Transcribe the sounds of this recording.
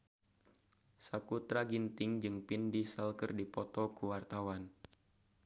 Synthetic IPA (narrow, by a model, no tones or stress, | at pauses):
sakut̪ɾaɡint̪ɪŋd͡ʒɨŋpindisəlkɨrdipɔt̪ɔkuwart̪awan